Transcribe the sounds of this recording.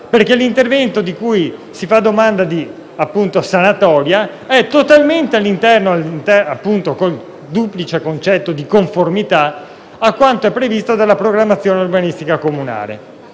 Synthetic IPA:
perkelint̪ervɛnt̪od̪ikujsifad̪ːomand̪ad̪i | apːunt̪osanat̪ɔːɾja | ɛt̪ot̪alment̪ealːint̪ɛrnoalːint̪ɛapːunt̪okol | d̪uplit͡ʃekont͡ʃɛt̪ːod̪ikoɱformit̪a | akːwant̪oɛpːɾevist̪od̪alːapɾoɡɾamːat̪sːjoːneorbanist̪ikakomuna̰ːlḛ

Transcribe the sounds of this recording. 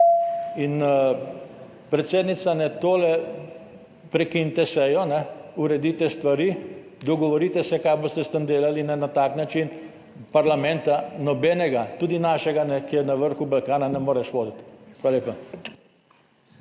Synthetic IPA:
in | pɾɛt̪seːd̪nit̪sanɛt̪oːlɛ | pɾɛkint̪ɛsɛjɔnɛuɾɛd̪iːt̪ɛst̪ʋaɾi | d̪ɔɡɔʋɔɾit̪ɛsɛkaːjboːst̪ɛst̪and̪eːlalinɛnat̪aːknat͡ʃin | paɾlamɛ̃nt̪anɔbɛnɛɡat̪uːd̪inaːʃɛɡanɛkieɾnɐʋəɾxubalkaːnanɛmoːɾɛʃʋoːd̪it̪xʋalaleːpa

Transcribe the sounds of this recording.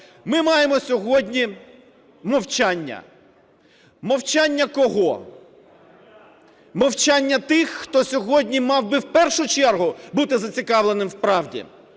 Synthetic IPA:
mɪmɑjemɔsʲɔɦɔdʲnʲi | mɔwt͡ʃanʲːɐ̰ | mɔwt͡ʃanʲːɐkɔɦɔ | mɔwt͡ʃanʲːɐt̪ɪxːt̪ɔsʲɔɦɔdʲnʲimɑwbɪwpɛrʃʊt͡ʃɛrɦʊbut̪ɪzɐt͡sʲikɑwlˠenɪmwpɾɑwdʲḭ

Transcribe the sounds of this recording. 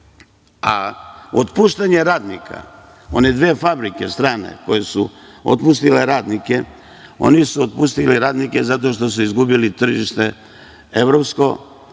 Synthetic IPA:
a̰ot̪puʃt̪aɲe̞ɾaːd̪nikʰa̰ | o̞ne̞d̪ʋeːfabɾike̞st̪ɾaːne̞̰ko̞jesuo̰t̪pust̪ile̞ɾaːd̪nike̞ | o̞̰nisuot̪̚pust̪iliɾaːd̪nike̞zat̪o̞ʃt̪o̞suizɡubilit̪r̩ʒiʃt̪e̞ | e̞ʋɾopsko̞

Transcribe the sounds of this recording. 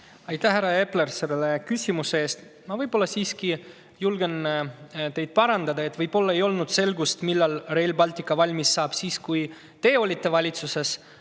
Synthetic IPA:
ɑjt̪ːˑæhɦhæɾːɑe̞ple̞rse̞lːele̞kysʲimusee̞ːst̪ | mɑvɤjb̥o̞lːɑsiːski | julɡ̥e̞nt̪e̞jd̪̥̚pɑɾɑnd̪ɑd̪ɑe̞t̪vɤjb̥̚o̞lːɑe̞jo̞lnud̪̥se̞lɡust̪milːɑlre̞lbɑlʲt̪ˑikːˑɑvɑlʲmisːɑːb̥siːskuj | t̪e̞ːo̞lʲit̪ːe̞vɑlʲit̪suse̞s

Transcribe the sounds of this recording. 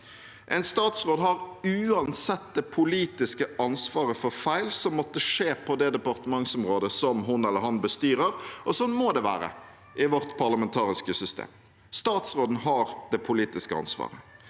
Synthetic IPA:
ʔɛ̰ɪnst̪ɑːt̪sʁoːd̪ɦɑɾʉːɑnsɛt̪̚d̪ɛpʰʊliːt̪ɪskəɑnsʋɑːɾəfɔɾfæɪlsɔmːɔt̪ːəʂeːpʰɔd̪ɛd̪ɛpɑʁt̪əmɑŋsɔmʁoːd̪əsɔmɦʊnɛlːəɾhɑnbəst̪yːɾəɾʔɔsɔnmoːd̪ɛʋæ̰ːɾə̰ | ʔɪʋɔɾt̪pʰɑʁləmɛnt̪ʰɑːɾɪskəsʏst̪ḛːm | st̪ɑːt̪sʁoːd̪n̩ɦɑɾd̪̥ɛpʰʊliːt̪ɪskəɑ̰nsʋɑ̰ːʁə

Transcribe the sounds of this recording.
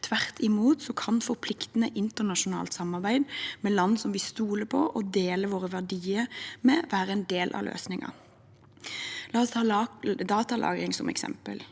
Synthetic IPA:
t̪ʰʋæʁt̪ʰɪmuːt̪sɔkʰɑnfɔɾpʰlɪkt̪ənəʔɪnt̪ənɑʃʊnɑ̰ːlt̪sɑmːɑʁbæɪd̪mɛlɑnːsɔmʋɪst̪uːləpʰɔʔɔd̪eːləʋoːʁəʋæʁɖiːəɾmɛʋæːɾəɛnd̪eːlʔɑ̰lʔø̰ːsnɪŋɑ̰ | lɑːɔst̪ʰɑːd̪ɑːt̪ɑlʔɑ̰ːɡɾɪŋsɔmɛ̰ksɛ̰mpə̰l

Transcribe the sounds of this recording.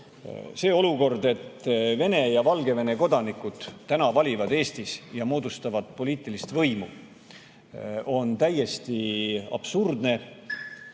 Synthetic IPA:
se̞ːo̞luko̞rd̪e̞t̪ːve̞ne̞jɑvɑlɡe̞ve̞ne̞ko̞d̪̥ɑnikud̪̥t̪ːænɑvɑlʲivɑd̪e̞ːst̪isjɑmo̞ːd̪̥ust̪ɑvɑd̪̥po̞liːt̪ːˑilist̪vɤ̞jmu | o̞nt̪æjːe̞st̪iɑ̰b̥surd̪ne̞

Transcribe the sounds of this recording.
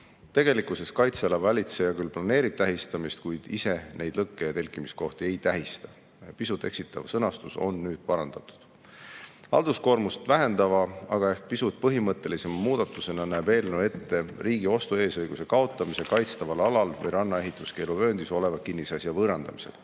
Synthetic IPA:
t̪e̞ɡ̥e̞likːˑuse̞skɑjt̪seelɑvɑlʲit̪se̞jɑkylplɑne̞ːɾib̥̚t̪æɦist̪ɑmist̪̚kujd̪̥ise̞ne̞jd̪lɤkːe̞jɑt̪e̞lʲkːˑimisko̞ht̪ie̞jt̪æɦist̪ɑ̥ | jɑpisut̪ːˑe̞̰ksit̪ːˑɑvsɤnɑst̪uso̞̰nːyːd̪̥̚pɑɾɑnd̪̥ɑt̪ːˑu̥d̪̥ | hɑ̰ld̪̥usko̞ːɾmust̪væɦe̞nd̪̥ɑvɑɑ̰ɡ̥ɑe̞hk̚pisut̪̚pɤɦimɤt̪ːˑe̞lise̞mɑmuːd̪̥ɑt̪ːˑuse̞nɑnæːbe̞ːlnoe̞t̪ːe̞riːɡio̞st̪ue̞ːsɤjɡ̥use̞kɑo̞t̪ˑːɑmise̞kɑjt̪st̪ɑvɑlɑlɑlvɤ̰jɾɑnːɑe̞ɦit̪ːˑuske̞ːluvø̞ːnd̪̥iso̞le̞vɑkinːisɑsjɑvɤɾɑnd̪̥ɑmi̥se̞̰l

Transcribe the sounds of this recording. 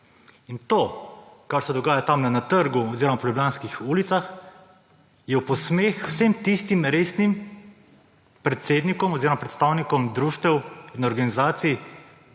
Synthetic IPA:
int̪oːkaɾsɛd̪ɔɡaːjat̪amnɛnat̪əɾɡuɔziːɾɔmapɔlʲublʲjaːnskixuːlit̪sax | jɛwpɔsmeːxwsemt̪ist̪imɾeːsnim | pɾɛt̪seːd̪nikɔmɔziːɾɔmapɾɛt̪st̪aːwnikɔmd̪ɾuːʃt̪ɛwinɔɾɡanizaːt̪sij

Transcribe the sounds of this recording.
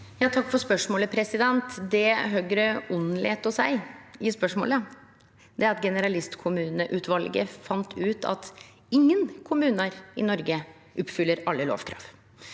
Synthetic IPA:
jɑːt̪ʰɑkːfɔspœʂmoːləpʰɾɛsɪd̪ɛnt̪d̪ɛɦœːɡɾəɔnlḛːt̪ɔsæɪjɪspœʂmo̰ːlə | d̪ɛæɾɑt̪ɡɛnəɾɑlɪst̪kʰʊmʉːnəʔʉt̪ʋɑlɡə̰fɑnt̪ʰʉːt̪ʰɑ̰t̪ | ɪŋːənkʰʊmʉːnəɾɪ̰nɔɾɡə | ʔʊpːfʏlːəɾɑlːəlo̰ːʋkʰɾɑ̰ːʋ

